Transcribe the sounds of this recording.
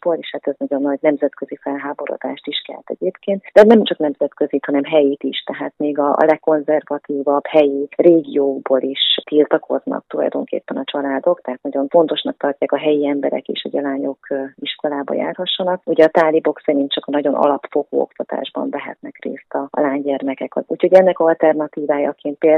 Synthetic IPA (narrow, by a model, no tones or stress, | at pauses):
boːleːʃhaːt̪ɛznɒɟo̞nːɒɟnɛmzɛt̪kø̞zifɛlɦaːbo̞ɾo̰d̪a̰ːʃt̪iʃkɛ̰lt̪ɛ̰ɟeːpkeːnt̪d̪ɛnɛmt͡ʃɒknɛmzɛt̪køzit̪hɒnɛmɦɛjiːt̪iʃt̪ɛɦaːt̪meːɡɒ̰lɛkːo̞nzɛrvɒt̪iːvɒbhɛjireːɡioːɡboːlʔiʃt̪ilt̪ɒkʰoznɒ̰k̚t̪ulɒ̰jd̪o̞ŋkḛːpːɛnɒt͡ʃɒlaːd̪o̞kt̪ɛɦaːt̪nɒɟo̞nfo̞nt̪o̞ʃnɒk̚t̪ɒrcaːkɒɦɛjiɛmbɛɾɛ̰kḛːʃɒ̰ɟɒlaːɲo̞kiʃko̞laːbɒ̰ja̰ːrhɒʃːɒnɒk̚uɟɛɒt̪aːlibo̞ksɛɾint̪̚t͡ʃɒkɒnɒɟo̞nʔɒ̰lɒpfoko̰ːo̰kt̪ɒt̪a̰ːʒbɒ̰ɱvɛɦɛ̰t̪nɛkrḛːst̪ɒlaːɲɟɛrmɛkɛkɒ̰ṵːcho̞ɟɛnːɛkɒlt̪ɛrnɒt̪iːvaːjɒ̰keːnt̪̚pel